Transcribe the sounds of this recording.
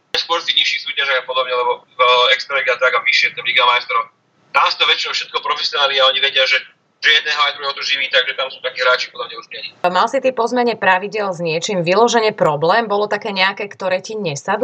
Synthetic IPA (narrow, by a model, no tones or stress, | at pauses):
askʊɔɾst̪iɲiʃːixsuːcaʒaɡapɔd̪ɔbɲɛlɛbɔ | ɛkst̪ɾaiɡat̪aɡaʋiʃɪɛt̪ɛliɡamajst̪ɾɔ | t̪amsu̥t̪ɔʋɛt͡ʃinɔʃɛt̪̚kɔpɾɔfɛsɪɔnaːlniaɔɲiʋɛɟɪaʒɛ | ʒ̥ɛjɛd̪nɛːɦɔajd̪ɾuɦɛɦɔt̪ɔʒiʋiːt̪aɡʒɛt̪amsuːt̪akiːɦɾaːt͡ʃipɔd̪ɔmɲɛuʒɲɛɲimalsit̪ipɔzmɛɲɛpɾaʋiɟɪɛlzɲɪɛt͡ʃiːmʋilɔʒɛɲɛpɾɔblɛːmbɔlɔt̪akɛːɲɛakɛːkt̪ɔɾɛːciɲɛsad̪